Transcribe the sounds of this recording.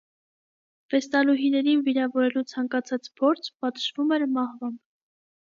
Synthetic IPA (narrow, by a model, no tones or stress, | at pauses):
vɛst̪ɑluɦinɛɾinviɾɑvɔɾɛlut͡sʰɑŋkɑt͡sʰɑt͡spʰɔɾt͡sʰpɑt̪əʒvumɛɾmɑhvɑmb